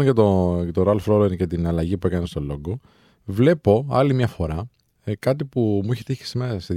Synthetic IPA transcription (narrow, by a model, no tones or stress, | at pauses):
ncɐt̪ot̪oɾɐlfɾoɾeɾcet̪inɐlɐʝipue̞kɐnest̪o̞lo̞ɡo | vle̞po̞ɐ̰limɲɐfo̞ɾɐ | kɐt̪ipumuiçet̪içi̥simese